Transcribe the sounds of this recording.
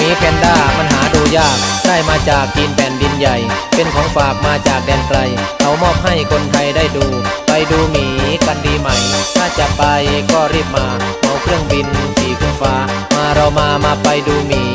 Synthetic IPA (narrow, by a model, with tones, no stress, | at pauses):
miː˨˧˥pʰɛː˨˦ndaː˥˩pʰa˧nɦaː˩˦duː˧jaː˥˩k̚daː˥˩jmaː˧t͡ɕaː˨˩k̚t͡ɕiː˧npʰɛː˨˩˦ndi˧nja˨˩jpe˧nkʰɔː˨˦ŋfaː˨˩k̚maː˧t͡ɕaː˨˩k̚dɛː˧nkɾa˧jkʰa˨˩wmɔː˥˩p̚ha˥˩jkʰo˧nt̪ʰa˧jdaː˥˩jduː˧pa˧jduː˧miː˨˩ka˧ndiː˧ma˧˩jt̪ʰaː˧˥˩t͡ɕa˨˩pːa˧jkɔː˧˥˩ɾiː˥˩p̚maː˧ | ʔa˧˩wkʰɾɯ˥˩əŋbi˧n˧siː˨˩kʰu˧˦nfaː˦˥ | maː˧ɾa˧wmaː˧maː˧pa˧jduː˧miː˨˦